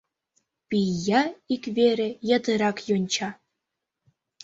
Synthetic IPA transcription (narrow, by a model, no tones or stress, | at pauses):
pʲijːɑikʲvʲeɾʲĕjɑ̆t̪ɯɾɑkjonʲt͡ɕɑ